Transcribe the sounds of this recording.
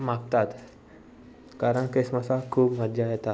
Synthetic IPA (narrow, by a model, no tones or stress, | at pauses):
m̤ak̚t̪at̪ | kaɾəɳkesmasakʰuːpʋəd̪jajɛt̪a